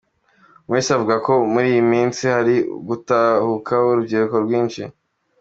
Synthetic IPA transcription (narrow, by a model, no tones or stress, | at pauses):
weːseavuɡako̞muɾiːjimiːnt͡sihaɾḭɡutahukʰauɾubɡiːɾukoɾɡwiːnʃḭ